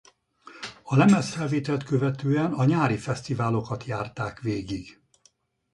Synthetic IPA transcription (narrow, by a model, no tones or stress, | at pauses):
ɒlɛmɛsfɛlveːt̪ɛlt̪køvɛt̪øːɛnɒɲaːɾifɛst̪ivaːlo̞kɒt̪jaːrt̪aːkʋeːɡiɡ